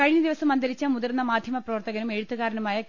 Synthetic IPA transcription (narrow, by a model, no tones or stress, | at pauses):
kɐɻiɲːɐd̪iʋɐsɐmɐnd̪ɐɾit͡ɕːɐmuðɐrnːɐmaːd̪ʱjɐmɐprɐʋɐrt̪ɐɣɐnume̞ɻut̪ːuɣaːɾɐnɐmaːjɐ